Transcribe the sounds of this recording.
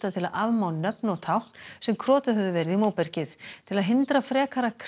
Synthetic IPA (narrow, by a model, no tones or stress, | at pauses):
t̪at̪ʰɪlaðʔavmawnnœpnɔt̪ʰawhn̥sɛmkʰɾɔːt̪ʏɦœvðʏvɛːɾɪðimoːwpɛɾ̥cɪθt̪ʰɪlaðɦɪnt̪ɾafɾɛːkʰaɾakʰ